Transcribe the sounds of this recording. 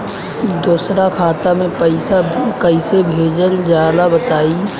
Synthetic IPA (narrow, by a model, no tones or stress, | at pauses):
d̪oːsɾakʰaːt̪amẽpəɪsakəɪsebʱeːd͡ʒəlzjaːd̪abət̪aːi